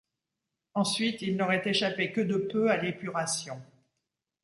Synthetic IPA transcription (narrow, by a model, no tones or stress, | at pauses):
ɑ̃sɥit̪ilnɔʁɛt̪eʃapekəd̪əpøalepyʁasjɔ̃